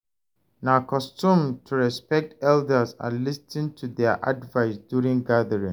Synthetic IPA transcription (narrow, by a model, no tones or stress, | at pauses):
nakɔstũmtʰuɹɛspɛk̚tɛldəsa̰listʰĩŋtʰuðɛʔadvaɪsdjuɹĩŋɡaðəɹĩŋ